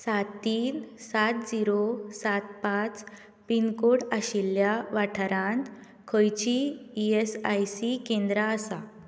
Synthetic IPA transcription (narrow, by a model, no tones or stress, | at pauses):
sat̪ːiːnsat̪̚d͡ziɾosat̪pãt͡s | pinkoɽaɕiljaʋaʈʰəɾãnt̪ | kʰəjt͡ɕiːesajsikẽnd̪ɾaəsa